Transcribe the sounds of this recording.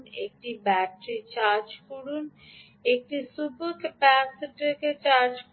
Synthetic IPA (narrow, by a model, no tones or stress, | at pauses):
nḛk̚ʈibɛʈɾit͡ɕaɾd͡ʑkoɽun | ek̚ʈisupot̪pɛseʈeket͡ɕaɾd͡ʑk